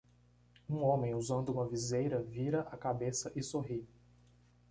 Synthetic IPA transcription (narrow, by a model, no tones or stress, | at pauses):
ũõmẽj̃uzɐ̃nd̪ʊũmɐvizejɾɐviɾɐʔakabesɐʔɪsoɦi